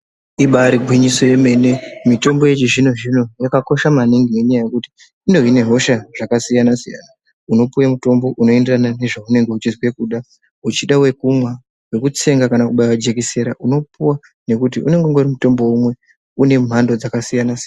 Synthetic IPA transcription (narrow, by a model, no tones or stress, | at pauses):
iɓaɾiɡʱwiɲiso̞je̞me̞ne̞mito̞mboje̞t͡ʃiʐino̞ʐino̞jakako̞ʃamaniŋɡine̞ɲajaje̞kuti̥ | indo̞ine̞ɦo̞ʃaʐakasijanasija̰na | uno̞puwamuto̞mbo̞ʔuno̞e̞nderanane̞ʐaune̞ŋɡe̞ut͡ʃizwe̞kuːɗa | ut͡ʃiɗawe̞kumwa | we̞kut͡se̞ŋɡakanakuɓajwad͡ʒe̞kise̞ɾa̰ʔuno̞puwa | ne̞kut̬iʔṵne̞ŋɡeoŋɡeurimuto̞mbo̞umwe̞ | une̞m̤ando̞d͡zakasijanasijn